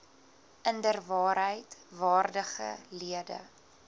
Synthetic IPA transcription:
ʔəndərvɑːɾɦəjtvɑːrdəχə̰liədə̰

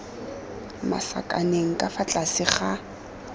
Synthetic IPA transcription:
ma̰sa̰kʼa̰neŋ̩kʼafat͡ɬʼasɪχa

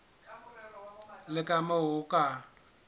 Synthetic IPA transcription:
lɪkʼamaʊkʼa

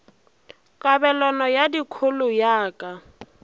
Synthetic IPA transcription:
kʼabɛlɔnɔjadikʰʊlʊjaːkʼa

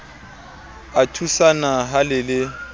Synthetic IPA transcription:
atʰusanaɦalɪlɪ

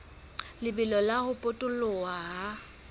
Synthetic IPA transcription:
lɪbɪlɔlahʊpʼʊtʼʊlʊaɦa

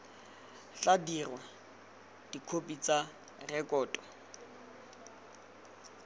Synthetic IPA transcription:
t͡ɬadirwa | d̥ikʰopʼit͡sʼa | rɛkʼɔːtʼɔ

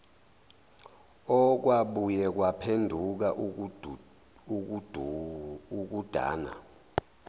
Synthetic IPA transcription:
ɔk̬waɓujɛk̬wapʰendʱuk̬aʔ | uk̬ud̥ʱa̰ːna̰

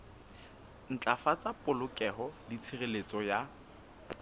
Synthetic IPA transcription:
n̩t͡ɬʼafat͡sʼapʼʊlʊkʼɛɦɔlɪt͡sʰɪrelet͡sʼɔja

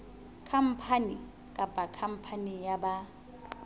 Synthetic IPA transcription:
kʰam̩pʰani | kʼabakʰam̩pʰanijaba

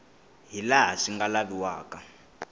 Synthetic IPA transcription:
ɦilaɦaʂiŋɡalaβiwaːka

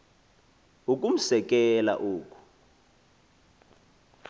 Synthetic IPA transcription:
uk̬um̩sɛk̬ɛla̰ʔuːk̬ʼu̥

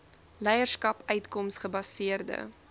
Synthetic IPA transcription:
lɛjərskɐpœɥtkɔmsχəbɐsiərdə̰

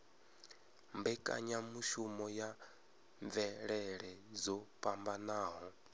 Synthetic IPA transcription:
mbɛkʼa̰ɲamuʃumɔja | ɱvɛɺɛɺɛzɔpʼambanaːɦɔ

